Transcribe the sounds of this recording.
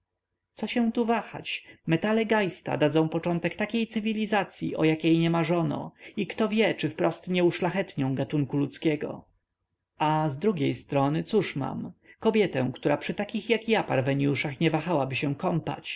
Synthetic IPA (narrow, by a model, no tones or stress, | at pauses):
t̪sɔɕɛw̃t̪uvaxa̰t͡ɕmɛt̪alɛɡajst̪a̰d̪ad̪zɔ̃w̃pɔt͡ʂɔnt̪ɛkt̪akʲejt̪sɘvʲilʲizat̪sʲjḭʔɔ̰jakʲejɲɛmaʐɔnɔ̰ikt̪ɔvʲjɛt͡ʂɘfpɾɔst̪ɲɛuʂlaxɛt̪ɲɔ̃w̃ɡat̪uŋkulut̪skʲɛɡɔ̰ | azd̪ɾuɡʲejst̪ɾɔnɘt̪suʂma̰mkɔbʲjɛt̪ɛ̰̃w̃kt̪uɾapʂɘt̪akʲixjakjapaɾvɛɲjuʂaxɲɛvaxawabɘɕɛ̃kɔmpa̰t͡ɕ